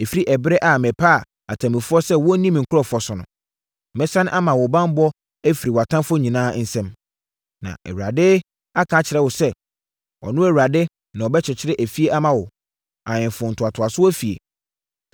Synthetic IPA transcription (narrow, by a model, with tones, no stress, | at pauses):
e˨fi˦ɾi˦ʔɛ˨bɾɛ˦ʔa˨mɛ̃˨pʰa˦˨ | a˨tʰã˨mɪ̃˨fʊ˦ɔ˦sɛ˦wɔ˦nĩ˦m̃˨ŋ̩˨kʰʊ˦ɾɔ˦fɔ˨sʊ˨nʊ̰̃˨ | mɛ̃˦sã˦ñ˦ʔa˦mã˨wʊ˨bã˦m˦bɔ˦ | æ˦fi˨ɾi˨wa˨tʰã˦mfɔ˦ɲĩ˨nãː˦n̩˦sɛ̃˦m | nã̰˨ɛ̰˨wɥɾa˨dɪ˦ | a˦kʰãː˨˦t͡ɕʰɪ˨ɾɛ˦wʊ˨sɛ˦ | ɔ̰˨nʊ̃˦æ˨wu˨ɾa˨dɪ˦ | nã˨ɔ˨bɛ˦t͡ɕʰɪ˨t͡ɕʰɪ˦ɾɪ˦ʔæ˨fi˦e˦ʔa˦mã˨wʊ˨ | ã˨ɲɪ̃˨fʊ̃˨n̩˨tʰʊ˨a˨tʰʊ˨a˨sʊ˦æ˦fi˨ḛ˨